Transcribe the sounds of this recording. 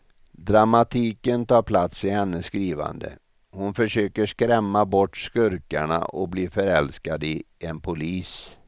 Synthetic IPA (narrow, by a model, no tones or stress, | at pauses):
d̪ɾamat̪ʰiːkənt̪ʰɑːɾpʰlat̪sɪhɛnːəsːkɾiːva̰nd̪ə̰ | hʊnfœʂøːkəʂkɾɛmːabɔʈːskɵɾkaɳa̰ʔɔk̚bliːfœɾɛlskad̪ɪɛnpʰʊliːs